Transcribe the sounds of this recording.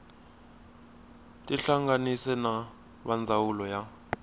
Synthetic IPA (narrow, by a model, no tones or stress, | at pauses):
tʼiɬaŋɡanisɛna | βand͡zʱawulɔja